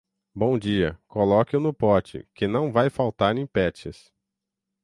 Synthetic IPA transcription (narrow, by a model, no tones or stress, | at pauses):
bõd͡ʒiɐkolɔkɪʊnʊpɔɾt͡ʃɪ̰kɪnɐ̃w̃vajfawt̪aɾẽpɛt͡ʃɪs